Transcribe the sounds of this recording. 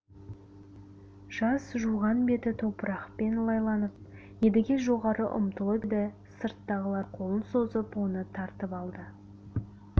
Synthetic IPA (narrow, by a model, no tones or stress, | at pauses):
ʒ̥ɑsʒuʁɑnbe̞t̪ɪt̪ʰopɾɑqpe̞nlˠɑjlˠɑnəp̚ | jed̪ɪɡʲeʒo̞ʁɑɾəʔʊ̰mt̪əlˠəbed̪ɪ | səɾt̪ːɑʁəlˠɑɾqʰo̞lˠənso̞zəpwo̞nət̪ʰɑɾt̪əpɑlˠd̪ə